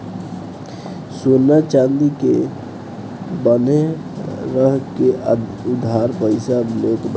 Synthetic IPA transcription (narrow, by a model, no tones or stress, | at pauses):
sonat͡ʃand̪ike | bəne | ɾəɦkeʔʊd̪ʱːaɾpəɪsablot̪b